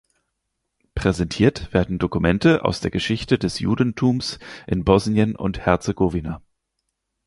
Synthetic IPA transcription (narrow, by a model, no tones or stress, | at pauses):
pʁ̥ɛzɛntʰiːɐtv̥eːɐdn̩dokumɛntəʔa̰ʊsd̥eːɐɡəʃɪçtədɛsjṵːdn̩tʰuːmsʔɪnbɔznjənʊ̰nthɛɐt͡seɡovina